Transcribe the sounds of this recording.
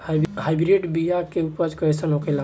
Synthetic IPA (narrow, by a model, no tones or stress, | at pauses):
ɦajbɾiʈbijakeupəd͡ʒkɔesənɦokela